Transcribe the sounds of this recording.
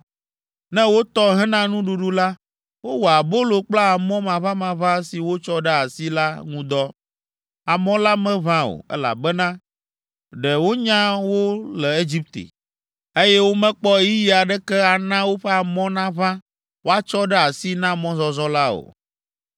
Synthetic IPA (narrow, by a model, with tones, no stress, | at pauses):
nɛ̃˦wo˦t̪ɔ˦ɦɛ˦nã˦nũ˦ɖu˨ɖu˦la˦ | wo˦wo˨a˨bo˦lo˨k͡pla˦a˨mɔ̃˦mã˨βã˦mã˨βã˦si˨wo˦t͡ʃɔ˦ɖɛ˦a˨si˦la˦ŋũ˦d̪ɔ˦ | a˨mɔ̃˦la˦mɛ̃˦βã˦o̰˨ɛ̰˦la̰˨bɛ˦nã˦ | ɖɛ˨wo˦ɲã˦wo˦lɛ˨e˦d͡ʑi˦p̚t̪ḛ˨ | e˦jɛ˦wo˦mɛ̃˦k͡pɔ˦ji˦ji˦a˨ɖɛ˦kɛ˦a˨nã˦wo˦ɸɛ˦a˨mɔ̃˦nã˦βã˦ | wo˦a˦t͡ʃɔ˦ɖɛ˦a˨si˦nã˦mɔ̃˦zɔ˨zɔ˦la˦o̰˨